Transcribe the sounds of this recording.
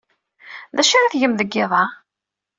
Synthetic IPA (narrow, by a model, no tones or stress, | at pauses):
ðæʃaɾæθʝəmðəɡːɪðˤɑ